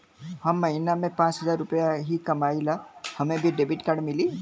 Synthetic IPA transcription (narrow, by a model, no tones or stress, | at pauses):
hɐmːɐɦiːnamẽpãːt͡ʃɦəzaːɾʊpəjaɦikɐmaːilahɐmẽbʱiɖeːbiʈkaɽmɪli